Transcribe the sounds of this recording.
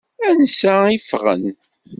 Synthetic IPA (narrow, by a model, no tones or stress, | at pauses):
ænsæifʁə̰n